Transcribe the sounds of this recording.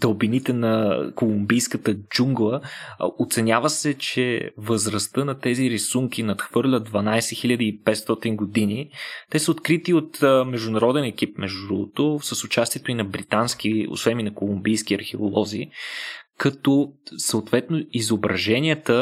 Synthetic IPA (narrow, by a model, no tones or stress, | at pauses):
t̪ɐlˠbinit̪ɛnɐkolˠumbijskət̪əd͡ʒuŋɡlˠəot̪sɛnʲjavəsɛt͡ʃɛ̰vəzɾɐst̪ɤnɐt̪ɛziɾisuŋk̟ʲinɐt̪xv̥ɤɾlʲəd̪̚d̪vɐnajsɛxilʲad̪əipɛt̪st̪ɔt̪inɡoʊd̪init̪ɛsəot̪kɾit̪iot̪mɛʒd̪ʊnɐɾɔd̪ɛnɛk̟ip̚mɛʒd̪ut̪osəsʊt͡ʃast̪iɛt̪oinɐbɾit̪ansk̟io̰svɛnminɐkolˠumbijsk̟iɐ̰ɾxɛo̰lˠɔzi | kɐt̪ɔsɐot̪vɛt̪noizobɾɐʒɛniət̪ə